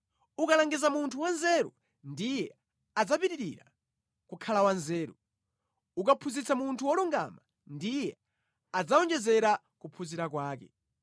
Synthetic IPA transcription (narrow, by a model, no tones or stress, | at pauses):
ukalaŋɡizamuntʰuwanzɛɾṵ | ndijɛ | ad͡zapiɾiɾiɾa̰ | kukʰalawanzɛːɾu | ukapʰuzit͡sʰamuntʰuwɔluŋɡa̰ma | ndijɛ | ad͡zaɔnd͡ʒɛzɛɾa | kupʰuziɾakwaːkɛ̰